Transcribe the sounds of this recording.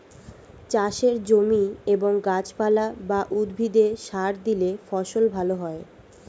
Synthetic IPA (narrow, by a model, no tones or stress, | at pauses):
t͡ɕaʃeɾd͡ʑomieboŋɡat͡ɕpalabaʔud̪bʱid̪eʃaɾd̪ilefɔʃolbʱaloɦɔe